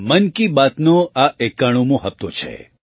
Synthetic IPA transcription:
mənkibat̪noaʔekːaɽ̃umõɦəp̚t̪o̰t͡ʃʰḛ

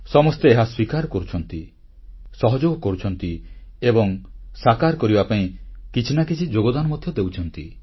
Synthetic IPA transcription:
sɔmɔst̪eeɦaswikaɾkɔɾut͡ʃʰɔnt̪i | sɔɦɔd͡ʒoɡɔkɔɾut͡ʃʰɔnt̪iebɔŋsakaɾkɔɾibapaĩkit͡ʃʰinakit͡ʃʰid͡ʒoɡɔd̪anɔmɔd̪ʱjɔd̪ewt͡ʃʰɔnt̪ḭ

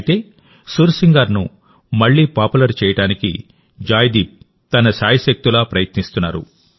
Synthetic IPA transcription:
t̪e̞ː | suɾsiŋɡaːɾnu | mɐɭːiːpaːpulɐɾt͡ʃɛːjɐʈaːnikḭ | d͡ʒaːjd̪iːp̚ | t̪ɐnɐsaːjɐʃɐk̚t̪ulaːpɾɐjɐt̪nist̪unːa̰ːɾṵ

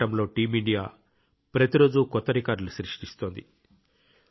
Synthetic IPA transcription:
ʈɐmlo̞ːʈiːmiɳɖijaː | pɾɐt̪iɾo̞ːd͡ʒukɔt̪ːɐɾikaːɾluʃɾiʂʈist̪o̞ːnd̪ḭ

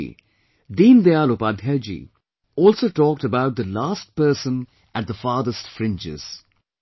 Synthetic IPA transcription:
d̪ĩːnd̪ealopad̪ɦɛd͡ʒḭ | ɔːlˠsoːʈɔːk̚təbaʊt̚d̪əlaːst̚pɜːsə̃n | æt̚d̪əfaːd̪əstfɾɪ̃nd͡ʒɪ̰z̥

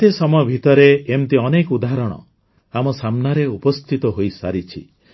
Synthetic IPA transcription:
t̪esɔmɔjɔbʱit̪ɔɾeːmt̪iɔnekud̪aɦɾɔɽ̃ɔ̰ | amɔsamnaɾeupɔst̪ʰit̪ɔɦojsa̰ɾit͡ʃʰḭ

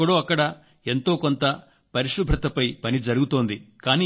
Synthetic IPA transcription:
ɐɽoːɐkːɐɽɐ | e̞nt̪o̞ːkont̪ɐ | pɐɾiʂɾɐbʱɾɐt̪ɐpɐjpɐnid͡ʒɐɾuɡut̪o̞ːnd̪ikaːniː

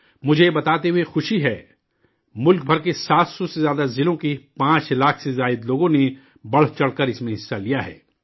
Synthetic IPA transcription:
mʊd͡ʒʱebɐt̪aːt̪eɦuexʊʃiɦɛː | mʊlk̚bʱɐɾkesaːt̪sɔsezjaːd̪azɪlõkipãːt͡ʃlaːkʰsezaːɪd̪loːɡõne | bɐɽ̤t͡ʃɐɽkəɾɪsmẽɦɪsːalijaɦɛ̰ː

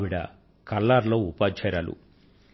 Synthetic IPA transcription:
ʋiɽɐ̰ | kɐlːaːɾlo̞ːupaːt͡ʃɛːɾaːlṵ

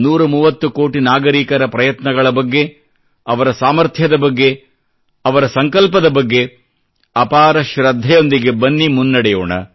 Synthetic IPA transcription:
nuːɾɐmuːʋɐt̪ːukoːʈinaːɡɐɾiːkɐɾɐpɾɐjɐt̪nɐɡɐɭɐbɐɡːe̞ | ɐʋɐɾɐsaːmɐɾt̪ʰjɐd̪ɐbɐɡːe̞ | ɐʋɐɾɐsɐŋkɐlpɐd̪ɐbɐɡːe̞ | ɐpaːɾɐʃɾɐd̪ʱːɐjo̞nd̪iɡebɐnːimunːɐɽɛjoːɳɐ̰

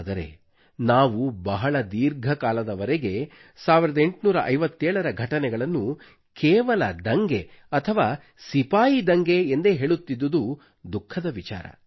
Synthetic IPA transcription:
d̪ɐɾe̞̰ | naːʋubɐɦɐɭɐd̪iːɾɡʱɐkaːlɐd̪ɐʋɐɾeɡe̞ | saːʋiɾɐd̪e̞ɳʈnuːɾɐʔɐjʋɐt̪ːɛːɭɐɾɐɡʱɐʈɐnɛɡɐɭɐnːu | kɛːʋɐlɐd̪ɐŋɡe̞ɐt̪ʰɐʋaː | sipaːjid̪ɐŋɡe̞ːnd̪e̞ɦeːɭut̪ːid̪ːud̪u | d̪ukʰːɐd̪ɐʋit͡ʃa̰ːɾɐ̰

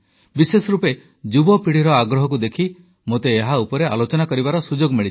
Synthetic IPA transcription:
bisesɔɾupe | d͡ʒubɔpiɽ̤iɾɔaɡɾɔɦɔk̬ud̪ekʰi | mot̪eːɦaupɔɾealot͡ʃɔnakɔɾibaɾɔsud͡ʒoɡmiɭi

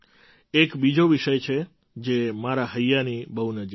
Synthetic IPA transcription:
ekbid͡ʒoʋiʃəjt͡ʃʰe | d͡ʒemaɾaɦəjːanibəɦunəd͡ʒi

